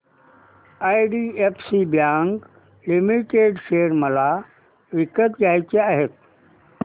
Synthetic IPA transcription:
ajɖiepʰsibjãŋk | limiʈeɖʃeːɾməla | ʋɪkət̪ɡaːjt͡ɕeaɦet̪̚

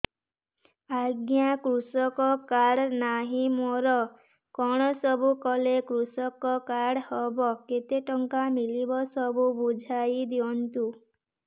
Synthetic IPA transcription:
aɡjakɾusɔkɔkaɽnaɦĩmoɾɔ | kɔɽ̃ɔsɔbukɔlekɾusɔkɔkaɽhɔbɔket̪eʈɔŋkamilibɔsɔbubud͡ʒʱajd̪iɔnt̪u

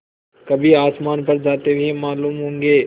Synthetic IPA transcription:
kɐbʱiaːsmaːnpɐɾd͡ʒaːt̪ebʱimaːluːmɦõːŋɡeː

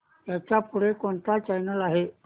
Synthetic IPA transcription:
t̪jat͡ɕjapuɽekoɳt̪at͡ɕajnəlaɦe

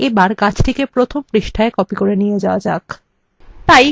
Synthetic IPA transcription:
ebaɾkat͡ɕʰtʰekepɾot̪ʰompɾiʃʈʰaekɔpikoɾenijed͡ʑaoad͡ʑa̰k | t̪aj

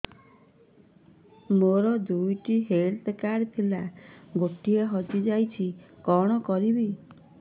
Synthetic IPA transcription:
moɾɔd̪ujʈiɦelt̪kaɾt̪ʰilaɡoʈieɦɔd͡ʒid͡ʒajt͡ʃʰikɔɽ̃ɔkɔɾibi

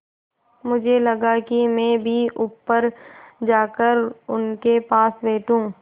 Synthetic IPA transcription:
mʊd͡ʒʱelɐɡakimɛ̃ːbʱiʔʊːpːəɾd͡ʒaːkəɾʊnkepaːsbeːʈũː

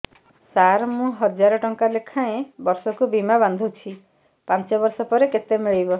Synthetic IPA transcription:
saɾmũɦɔd͡ʒaɾɔʈɔŋkalekʰaẽbɔɾsɔkubimaband̪ʱut͡ʃʰi | pant͡ʃɔbɔɾsɔpɔɾeket̪emiɭijbɔ

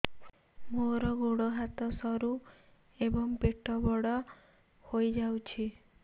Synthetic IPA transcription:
moɾɔɡoɽoɦat̪ɔsɔɾu | ebɔŋpeʈɔbɔɽɔ | hojd͡ʒawt͡ʃʰi

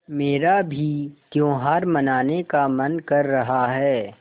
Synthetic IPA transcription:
meːɾabʱit̪jõːɦaːɾmɐnaːnekamɐnkɐɾːɐɦaɦɛː

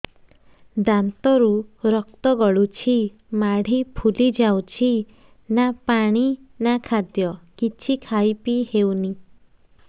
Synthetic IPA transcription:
d̪ant̪ɔɾuɾɔk̚t̪ɔɡɔɭut͡ʃʰi | maɽ̤ipʰulid͡ʒawt͡ʃʰi | napaɽ̃inakʰad̪jɔkit͡ʃʰikʰajpihewni

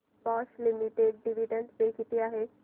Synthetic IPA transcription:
pɔʃlimiʈeɖ̚ɖiʋiɖə̃ɳɖpekit̪iaːɦe

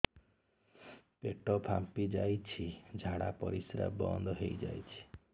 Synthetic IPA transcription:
peʈɔpʰampid͡ʒajt͡ʃʰid͡ʒʱaɽapɔɾisɾa̰bɔ̰nd̪ʱɔɦejd͡ʒa̰jt͡ʃʰi̥

